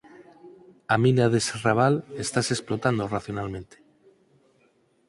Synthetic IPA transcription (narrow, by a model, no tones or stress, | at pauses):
amĩnaðeseraβalest̪ase̞splo̞t̪and̪oraθjonalmẽnt̪e̥